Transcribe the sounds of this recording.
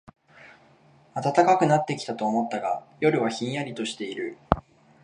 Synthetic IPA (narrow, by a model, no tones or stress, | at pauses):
at̪at̪akakɯ̟nat̪ːe̞kʲi̥t̪at̪o̞ːmo̞t̪ːaɡajo̞ɾɯ̟βaçĩɰ̃jaɾʲit̪o̞ɕi̥t̪e̞iɾɯ̟